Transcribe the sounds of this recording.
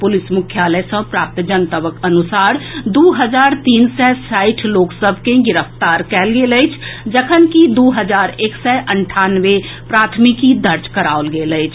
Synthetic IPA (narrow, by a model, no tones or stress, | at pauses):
pʊlɪsmʊkʰjaːləsə̃pɾaːp̚t̪d͡ʒənt̪əbəkənʊsaːɾd̪uːɦəd͡ʒaːɾt̪iːnsɛsaːɪʈʰloːksəbʱkẽɡɪɾəft̪aːɾkɛːlɡeləɪt͡ʃʰd͡ʒəkʰənkid̪uːɦəd͡ʒaːɾeːksɛʔəɳʈʰaːnʋe | pɾaːt̪ʰmɪkid̪əɾd͡ʒkəɾaːolɡeːləɪt͡ʃʰ